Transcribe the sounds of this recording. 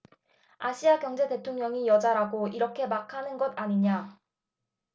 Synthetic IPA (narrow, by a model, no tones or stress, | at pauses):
aɕʰiakjʌŋd͡ʑe̞te̞tʰoŋɲʌŋijʌd͡ʑaɾaɡoiɾʌkʰe̞makʰanɯnɡʌdaɲiɲa